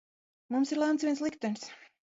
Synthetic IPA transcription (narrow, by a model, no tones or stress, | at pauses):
mumsiɾlˠant̪svʲiɛnslˠikt̪ɛns